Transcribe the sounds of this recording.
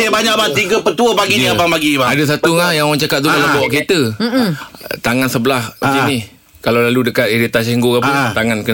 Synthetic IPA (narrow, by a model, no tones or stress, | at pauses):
ebaɲaʔbaŋt̪iɡəpət̪uəpaɡiiabaŋbaɡibaadəs̬at̪uŋajaaŋt͡ʃakat̪̚t̪ukalabaʔket̪ə | t̪aŋansəbəlahad͡ʒini | kalawlaludəkat̪iɾit̪asiŋɡokat̪aŋankə